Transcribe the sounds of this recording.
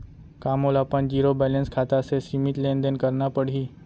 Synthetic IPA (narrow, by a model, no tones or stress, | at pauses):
kaːmolapənd͡ʒiːɾobɛːlə̃nskʰaːt̪asesimɪʈ̪lẽnd̪ənkəɾnapəɽ̤iː